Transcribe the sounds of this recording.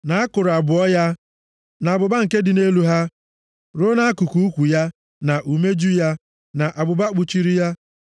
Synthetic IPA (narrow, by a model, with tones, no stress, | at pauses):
na˨a˦kʊ˨ɾa˨bʊ˨ɔ˦ja˦ | na˨a˨bʊ˨ba˦ŋ̩˨ke˦dɪ˨ne˦lu˦ɦa˦ | ɾo˦na˦a˦ku˨ku˨˦u˦kʷu˨ja˦ | na˨ʔu˨me˦d͡ʒu˦ja˦ | na˨ʔa˨bʊ˨ba˦k͡pu˨t͡ʃi˦ɾi˦ja˦